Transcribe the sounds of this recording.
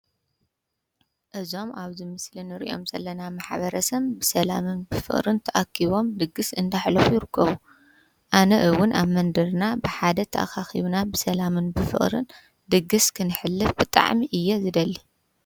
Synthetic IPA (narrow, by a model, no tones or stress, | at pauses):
ʔɨzo̞maβzɨmɨslinɨɾḭʔo̞̰mz̥ɐlːɐnamaħβɐɾɐsɐβbɨsɐlamɨnbɨfɨ̰χʼɾɨnt̪ʰɐʔakʰːiβo̞md̪ɨɡɨsɨnd̪aħlɐfujɪɾɨkʰːɐβu | ʔanɐʔɨwʊnaβmɐnd̪ɐɾnabɨħad̪ɐt̪ʰɐʔa̰xaxiβnabɨsɐlamɨnbɨfɨ̰χʼɾɨ̰n | d̪ɨɡɨskʰɨnɨħɨlːɨfbɨt̪ʼa̰ʕmiʔɨjːɛzɨd̪ɐlːi